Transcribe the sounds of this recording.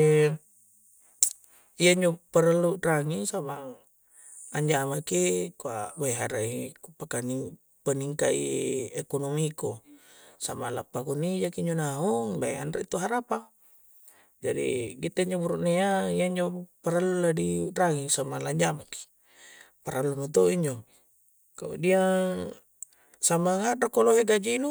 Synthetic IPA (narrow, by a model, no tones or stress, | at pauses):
ijaiɲd͡ʒopaɾalːuraŋisamaŋ | aɲd͡ʒamakikuabajɦaɾaikupakani | pəniŋkaḭekonomiko | samala̰pːakunid͡ʒakiɲd͡ʒonauŋbaja̰nɾeit̪uɦaɾapa | d͡ʒadḭɡit̪aiɲd͡ʒobuɾuʔneaijaiɲd͡ʒopaɾalːuladiraŋisamalaɲd͡ʒamaki̥ | paɾalːunut̪̬oʔiɲd͡ʒo | kaṵdia | samaŋadakoloɦeɡad͡ʒinu